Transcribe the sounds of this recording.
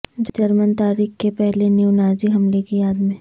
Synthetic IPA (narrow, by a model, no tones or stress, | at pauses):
d͡ʒd͡ʒɐɾmənt̪aːɾiːxkepɛɦlenuʋnaːziɦɐmlekijaːd̪mẽː